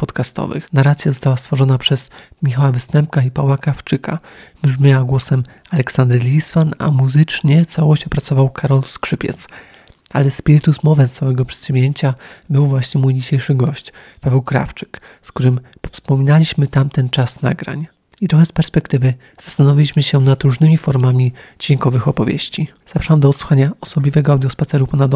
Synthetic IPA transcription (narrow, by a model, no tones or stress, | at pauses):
pɔt̪kast̪ɔ̰vɘ̰xnaɾat̪sjazɔst̪awast̪fɔʐɔnapʂɛzmʲixawavɘst̪ɛmp̚kaipavwakɾaft͡ʂɘka̰ | mʐmʲjawaɡwɔsɛm | alɛksand̪ɾlʲismana̰muzɘt͡ʂɲɛt̪sawɔɕt͡ɕɔpɾat̪sɔvawkʰaɾɔlskʂɘpʲjɛ̰t̪s | a̰lɛspʲiɾɘt̪usmɔvɛst̪ːawɛɡɔpʂɛ̥t̪ɕumʲjeɲt͡ɕabɘwvwaɕɲɛmujd͡ʑiɕejʂɘɡɔɕt͡ɕ | pavɛwkɾa̰ft͡ʂɘ̥k | sk̚t̪uɾɘmpɔfspɔmʲinalʲiɕmɘt̪amt̪ɛnt͡ʂasna̰ɡɾa̰ɲ | it̪ɾɔxɛspɛɾspɛkt̪ɘvɘ | z̥ḁst̪anɔvʲilʲiɕmɘɕɛnat̪ɾuʐnɘmʲifɔɾmamʲid͡ʑvʲeŋkɔvɘxɔpɔvʲjḛɕt͡ɕi | z̥apɾawamd̪ɔːt̪swu̥xaɲaɔsɔbʲlʲivɛɡɔawd̪jɔspat̪sɛɾupanad̪ɔ